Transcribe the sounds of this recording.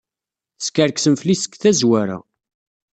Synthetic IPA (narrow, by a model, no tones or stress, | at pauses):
θskæɾksəmflisə̥kθæzwæɾa̰